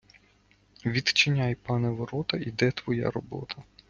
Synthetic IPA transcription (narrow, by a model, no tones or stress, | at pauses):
ʋʲid̪t͡ʃɪnʲajpɑnɛʋɔɾɔt̪ɐid̪ɛt̪ʋɔja̰ɾɔbɔ̰t̪ʰɐ